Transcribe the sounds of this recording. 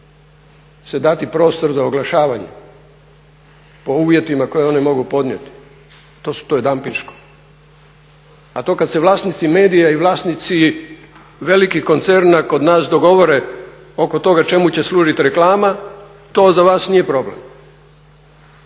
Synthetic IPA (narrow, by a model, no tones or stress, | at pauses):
sed̪at̪ipɾo̞ːst̪o̞ɾzaoɡlaʃaːʋaɲḛ | po̞uːʋje̞t̪imako̞jeo̞nemo̞ɡupo̞d̪nʲjet̪i̥ | t̪o̞ːsu̥t̪ojd̪ampinʃko | at̪o̞ːkad̪se̞ʋlˠaːsnit̪sime̞ːd̪ijaiʋlˠaːsnit̪si | ʋe̞likiko̞nt̪se̞ɾnako̞d̪naːsd̪o̞ɡo̞ʋo̞ɾe̞ | o̞ko̞t̪o̞ɡat͡ʃe̞mut͡ɕe̞slˠuːʒit̪iɾe̞klaːma | t̪o̞ːzaʋaːsnije̞pɾo̞ble̞̰m